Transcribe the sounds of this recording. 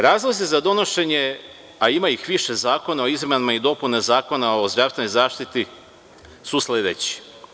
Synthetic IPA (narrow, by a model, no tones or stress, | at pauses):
ɾaːzlˠozizad̪o̞no̞ʃe̞ɲe | aimaixʋiʃe̞zaːko̞naoizmanimaid̪o̞punezaːko̞nao̞zd̪ɾaʋsenojzaːʃt̪it̪i | suslʲed̪et͡ɕi̥